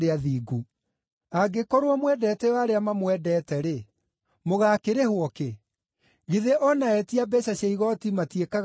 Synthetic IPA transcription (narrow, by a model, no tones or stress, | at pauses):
ɾeaðiːɡu | aɡekɔɾwɔmwɛdɛtɛwaɾeamamwɛdɛːtɛɾe | moɣaːkeɾehwɔke | ɣiðeʔɔnaɛtiabɛɕaɕaiɣɔtimatiekaɣ